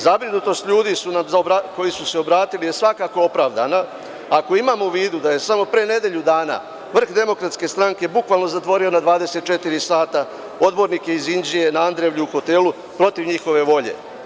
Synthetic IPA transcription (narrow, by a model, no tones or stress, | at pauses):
zabɾinut̪o̞st̪ʎuːd̪isunamzbɾako̞jisuse̞o̞bɾaːt̪ilije̞sʋakako̞o̞pɾaːʋd̪a̰na | ako̞imamouʋiːd̪ud̪aje̞samo̞pɾene̞d̪e̞ʎud̪aːna̰ | ʋr̩xd̪e̞mo̞kɾat̪ske̞st̪ɾaŋke̞bukʋalno̞zat̪ʋo̞ɾio̞nad̪ʋaːd̪e̞se̞t̪̚t͡ʃe̞t̪iɾisaːt̪a | o̞d̪bo̞ɾnike̞izind͡ʒije̞naand̪ɾe̞ʋʎuuxo̞t̪e̞lu | pɾo̞t̪iʋɲixo̞ʋe̞ʋo̞ʎe̞̰